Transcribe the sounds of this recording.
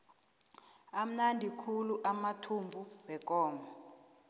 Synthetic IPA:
am̩nandʱikʰuluʔamatʰumbʱuwɛkʼɔːmʱɔ

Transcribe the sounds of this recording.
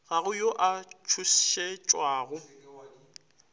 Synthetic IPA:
ɣaɣʊjoʔat͡ʃʰusʃet͡ʃʼwaːɣʊ

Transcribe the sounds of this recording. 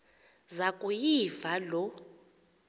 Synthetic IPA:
zakʼujivalɔ

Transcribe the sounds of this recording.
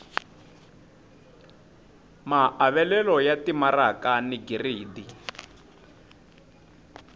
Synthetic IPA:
maʔaβɛlɛlɔjatimarakaniɡiriːdi

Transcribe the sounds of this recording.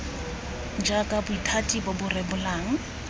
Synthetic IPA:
d͡ʒakʼabʊitʰatʼibɔbʊrɛbʊlaːŋ̩

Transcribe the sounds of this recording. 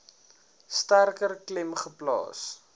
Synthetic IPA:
stærkərklɛmχəplɑ̰ːs

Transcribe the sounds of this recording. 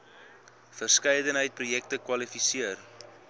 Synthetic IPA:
fərskɛjdənɦəjt̚prujɛk̚təkwɐlifisiər

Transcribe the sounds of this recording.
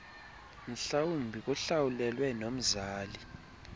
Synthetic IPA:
n̩ɬawumbʱik̬ʼuɬawulɛlwɛnom̩zaːli

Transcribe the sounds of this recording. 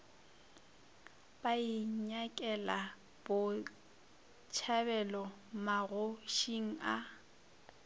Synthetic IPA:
b̥aiɲakʼɛla | b̥ʊ | t͡ʃʰabɛlɔmaɣʊʃiŋ̩a

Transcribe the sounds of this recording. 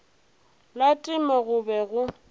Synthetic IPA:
latʼɪmɔɣʊbɛɣʊ

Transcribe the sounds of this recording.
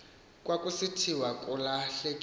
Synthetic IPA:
kʼwakʼusitʰiwakʼulaɬɛkʼ

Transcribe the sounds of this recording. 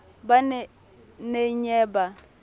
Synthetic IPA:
banɛ | neɲɛːba

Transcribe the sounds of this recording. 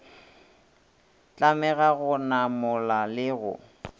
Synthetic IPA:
t͡ɬʼamɛɣaɣʊnamʊlalɪɣʊ̰

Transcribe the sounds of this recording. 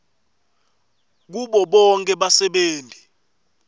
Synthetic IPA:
k̬uɓɔɓɔŋkʼɛɓasɛɓeːndʱi

